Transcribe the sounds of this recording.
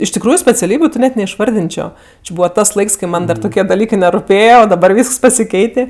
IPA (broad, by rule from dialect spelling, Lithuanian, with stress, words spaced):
ɪʃ tʲɪkˈruːjʊ sʲpʲɛt͡sʲɛˈlʲiːbʲʊ tʲɪ ˈnʲɛt nʲɛɪʃˈʋɐrʲdʲɪnʲt͡ʃʲoː t͡ʃʲɪ ˈbuːʋɐ ˈtɐs ˈlˠɐɪks kɐɪ ˈmɐn ˈdɐr ˈtʊkʲiɛ dɐˈlʲiːkɜ nʲɛrʊˈpʲeːjɛ oː dɐˈbɐr ˈʋʲiːsks pɐsʲɪˈkʲɛɪtʲeː